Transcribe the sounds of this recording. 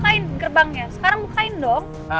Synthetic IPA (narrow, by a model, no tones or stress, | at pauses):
aɪnɡərbaŋɲasə̥kaɾaŋmukaɪndɔŋ